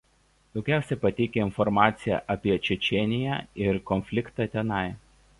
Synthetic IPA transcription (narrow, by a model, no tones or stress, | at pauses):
d̪̥ɒʊkʲæˑʊsʲɛpɐt̪ʲɛɪkʲeɪnfɔɾmɑːt̪sʲɪjæ̰ʔɐpʲiɛt͡ʃʲɛt͡ʃʲɛnʲɪjæ̰ɪɾkɔnʲfʲlʲɪkt̪ɑːt̪ʲɛnɐɪ